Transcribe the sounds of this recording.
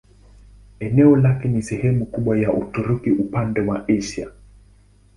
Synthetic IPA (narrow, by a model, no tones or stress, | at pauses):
ɛnɛɔlakɛnisɛhɛmukuɓwajaʔutuɾukiʔupandɛwaʔiʃa